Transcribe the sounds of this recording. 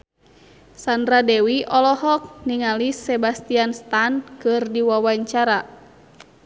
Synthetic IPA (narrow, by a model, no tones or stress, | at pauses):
sandɾadɛwiʔɔlɔhɔk̚niŋalisɛbast̪ianst̪ankɨrdiwawaɲt͡ʃaɾa